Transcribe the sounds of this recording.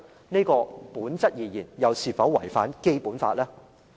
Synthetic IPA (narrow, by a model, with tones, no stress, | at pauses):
ne˥jkɔː˧puː˨˥nt͡sɐ˥t̚jiː˨jiː˨˩njɐ˨˧wsiː˨˩fɐ˨˥wːɐ̰˨˩jfa̰ː˨˥nke˥jpuː˨˥nfa̰ː˧t̚lɛː˥